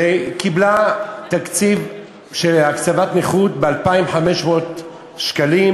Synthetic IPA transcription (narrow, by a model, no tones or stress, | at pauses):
ekiblat̪akt͡siv | ʃelakt͡savat̪niχut̪bealpaimħameʃmot̪ | ʃkalim